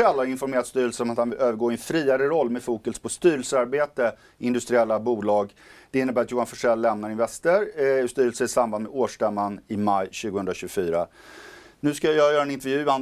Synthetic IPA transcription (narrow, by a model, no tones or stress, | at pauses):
ɛlːaɾɪnfɔɾmeːɾat̪st̪yːɾəlsənɔmat̪hanvɪløːvəɾɡoːɪɛnfɾiːaɾəɾɔlːmɛfuːkəlspʰɔst̪yːɾɛlsəaɾbeːt̪ə | ɪnd̪ɵst̪ɾɪɛlːabuːlɑːɡd̪̥ɛɪnːəbæːɾat̪juːanfɔʂɛlːɛmnaɾɪnvɛst̪əɾst̪yːɾəlsəɪsamband̪mɛd̪oːʂʈɛmːanɪmajɕʉ̟ːɡəhɵnd̪ɾaɕɵɡʊfyːɾa | nʉ̟ːskajajɑːjœːɾaɛnɪnt̪ɛɾvjʉ̟ːan